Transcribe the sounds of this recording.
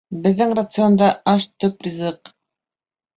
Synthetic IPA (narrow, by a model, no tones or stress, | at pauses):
bɘ̆ðːɘŋrat̪sɨond̪ɑɑʃt̪ɵprʲizɤq